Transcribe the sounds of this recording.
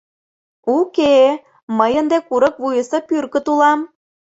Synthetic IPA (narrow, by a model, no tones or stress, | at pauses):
uke | məjənd̪ekuɾə̆kvujəsɤpyrkə̆t̪ulɑm